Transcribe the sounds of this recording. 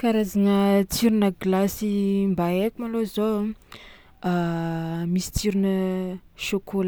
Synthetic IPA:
kaɾazaŋət͡siɾinəɡlasimbaekumalozo | a | misi̥t͡siɾinəʃokola

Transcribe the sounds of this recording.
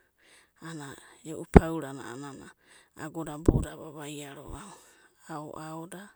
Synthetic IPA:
anaoʔupʰawɾana̰nana̰ːɡodabodaβaβajaɾo̰ʔaoao̰ʔaoda

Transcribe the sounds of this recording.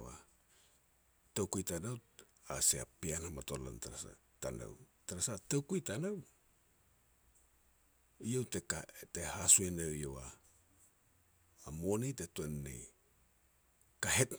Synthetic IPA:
wa̰ | tawkujtanaw | a̰sea̰pianhamatola̰ntaɾaa̰ | ta̰na̰w | taɾasatawkujtanaw | ijewtekate̞hasuenewjowa | monitetuenːḛj | kaɦet

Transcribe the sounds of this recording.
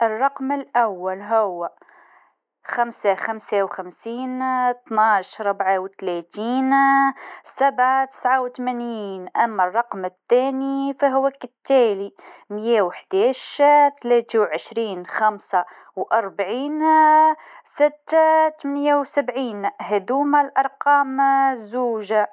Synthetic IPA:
ʔərˤːɑqmɪlʔawːalɦʊwːa | xamsaxamsawxamsiːnt̪naːʃɾˤʊbʕawt̪læt̪iːn | sabʕat̪ɪ̥sʕawt̪mæniːnʔæmːærˤːɑqmɪt̪ːæːnifæɦʊwækɪt̪ːæːlimjæwħd̪̥æːʃt̪læːt̪iwʕəʃɾiːnxæmsa | wʔɑɾˤbaʕiːn | sɪt̪ːt̪mɪnjawsabʕiːnhæd̪uːmælʔɑɾˤqɑːmzːuːʒa

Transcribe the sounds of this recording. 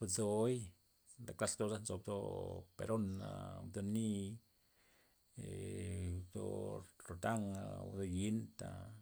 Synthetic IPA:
bat͡soj | d̪aklast̪osant͡sob̚d̪opḛɾona̰d̪oni | e | d̪o̰ɾot̪aŋad̪ojint̪a

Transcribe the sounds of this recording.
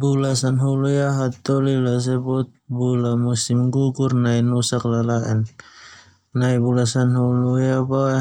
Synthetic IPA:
bulasanɦulujaɦat̪ɔlilas̬ɛbɔt̪̚bulamusimɡuɡuɾnajnusaklalaɛn | najbulasanhulujaba

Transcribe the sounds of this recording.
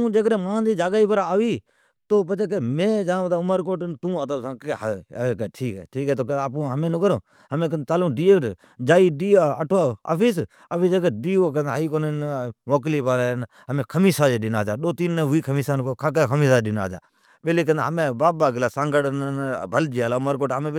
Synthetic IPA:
t̪ũːd͡ʒeːkɾeːmãːd͡ʒ̪iːd͡ʒaːɡaːiːpəɾaːʋiː | t̪oːp̬ət͡ʃeːkemẽːd͡ʒãːt̪aːʊməɾkoːʈnt̪ũːət̪əbsãːkeɦkeʈʰiːkɦɛ̰ːʈʰiːkɦɛːt̪oːk̬əaːp̬ũːɦəmẽːnukəɾõː | həmẽːkət̪aːlõːɖiːeʈ | d͡ʒaːiːɗiːaːəʈʰaːa̰ːfiːs̬ | əpiːd͡ʒəkəɗiːok̬ə̃nd̪aiːkonnʋoːk̬liːpaːɾn | əmẽːkʰəmiːsaːd͡ʒeːɗɪnaːd͡ʒaːɗoːt̪iːnːəʋiːkʰəmiːsaːnkːkʰakekʰəmiːsaːɗɪna̰ːd͡ʒa̰ː | ɓeleːkə̃nd̪aɦəmẽːbaːbaːɡɪlaːsãːŋɡəɽnbʱəld͡ʒiːaːlaːʊməɾkoːʈɦəmẽː

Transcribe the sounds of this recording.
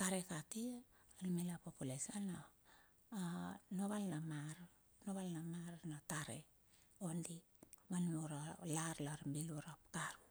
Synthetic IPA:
kaɾe̞katialimelapopulesana | noβalnamaɾ | noβalnamaɾnataɾe̞̰ | ondi | manoɾalaɾlaɾmbiluɾapkaɾu

